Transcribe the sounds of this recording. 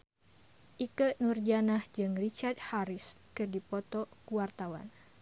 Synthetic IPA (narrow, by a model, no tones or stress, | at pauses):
ʔikɨʔnurd͡ʒanahd͡ʒɨŋrit͡ʃard̪̚haɾɪskɨrdipɔt̪ɔkuwart̪awa̰n